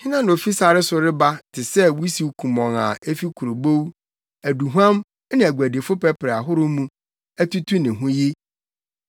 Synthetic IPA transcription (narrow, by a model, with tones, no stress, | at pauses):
hɪ̃˦nã˦ñ˨fi˦sa˨ɾɪ˦sʊ˨ɾɪ˦ba˦tʰɪ˨sɛ˦wu˦si˨˦kʰũ˨mɔ̃˨ŋã̰˨e˦fi˦kʰu˨ɾo˨bo˦w | æ˨du˨ɦu˦ã˦m˦ | nɪ̃˨æ˨ɡʷæ˨de˨fʊ˦pɛ˦pɪ˨ɾa˨ɦʊ˦ɾʊ˦mũ˦ | æ˦tu˦tʰu˦nɪ̃˨ɦũ˦ji˦